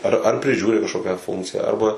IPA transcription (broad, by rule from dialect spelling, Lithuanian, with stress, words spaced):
ˈɐr ɐr pʲrʲɪˈʒʲuːrʲɪ kɐʃˈkoːkʲæː ˈfʊŋkt͡sʲɪjæː ˈɐrbɐ